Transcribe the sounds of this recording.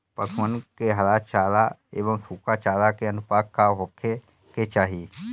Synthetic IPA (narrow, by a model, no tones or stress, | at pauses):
pəsʰənkeɦəlaːt͡ʃaːlaeːʋəmsuːkat͡ʃaːlakeənʊpaːkkːaɦokʰːe | ket͡ʃaːɦie